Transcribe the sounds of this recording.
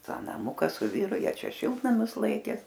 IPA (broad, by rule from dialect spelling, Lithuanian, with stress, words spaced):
ˈtɑː nɐˈmʊkɐ sʊ ˈʋʲiːrʊ ˈjiɛ ˈt͡ʃʲɛ ˈʃʲɪlˠtnɐmʲʊs ˈlˠɐɪkʲeː